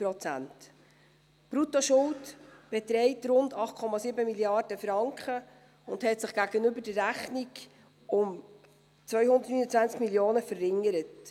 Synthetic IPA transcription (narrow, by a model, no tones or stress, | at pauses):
pɾɔt͡sæ̰nt | b̥ɾutoʃʊltb̥ɛtɾɛɪtɾʊndɑχt̚kʰɔmɑsibəmiljɑrd̥əfɾɑŋkχə | ʊndhɛtsɪχɡ̥æɡənʏbəɾd̥ərːæχniɡ | ʊm | t͡svœʏhʊnd̪ətnyːnət͡svænt͡skmiljoːnəfərːɪŋːəɾət